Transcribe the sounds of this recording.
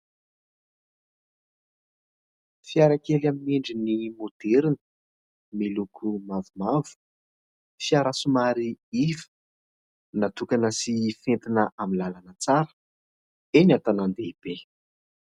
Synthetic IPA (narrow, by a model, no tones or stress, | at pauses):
fiaɾakelamineɳɖ͡ʐinimod̪̥eɾinə̥ | milukʰumavumavu̥ | fiaɾasumaɾiivə̥ | nat̪ukanəsifent̪inəʔamilalanət͡saɾə̥ | enat̪anand̪eib̥e